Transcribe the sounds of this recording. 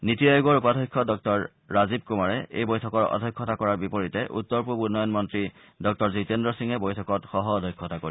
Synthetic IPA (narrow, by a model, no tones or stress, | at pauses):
nitiajuɡɔɹupadʱɔjkʰːɔdɔk̚tɔɹː | azib̚kumaɹɛḛjbɔjtʰɔkɔɹɔ̰dʱɔjkʰːɔtakɔɹaɹbipɔɹitɛʔṵtːɔɹpupunɔjɔnmɔntɹi | dɔk̚tɔɹzitendɹɔsiŋɛbɔjtʰɔkɔtxɔɦɔːdʱɔjkʰːɔtakoɹi